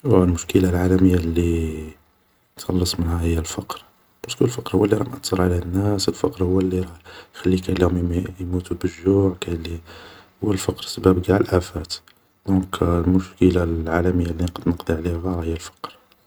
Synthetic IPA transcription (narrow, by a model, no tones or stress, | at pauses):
wælmʊʃkəlalʕalæməjːalːi | nxɑlːəsˤmənhæhəjːælfɑqɾ | bæskʊlfɑqɾhwælːiɾˤɑnʔɑt̪ːəɾˤʕlænːæsəlfɑqɾhʊwːælːiɾɑjxælːikælːihʊmjmut̪ubəʒːuʕkælːihʊwːəlfɑqɾsəbæbɡaʕlʔæfæt̪ | d̪ɔ̃klmʊʃkəlalʕalæməjːalːinqɑd̪nəqd̪ˤiʕliææɾhəjːælfɑ̥qɾ